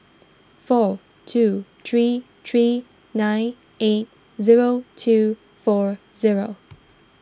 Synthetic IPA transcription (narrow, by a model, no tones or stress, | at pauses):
fɔɹ | tʰʉθɹi | θʰɹiː | ãɪ̃n | eɪt̚ | zɪɹoʊtʰʉ | fɔɹ | zɪɹoʊ